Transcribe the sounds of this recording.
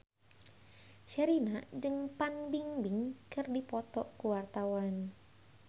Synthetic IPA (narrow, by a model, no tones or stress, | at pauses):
ʃɛɾinad͡ʒɨŋpanbiŋbɪŋkɨrdipɔt̪ɔkuwart̪awan